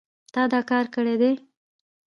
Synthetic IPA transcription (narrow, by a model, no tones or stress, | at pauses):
t̪ɑd̪ɑkɑɾkəɽed̪e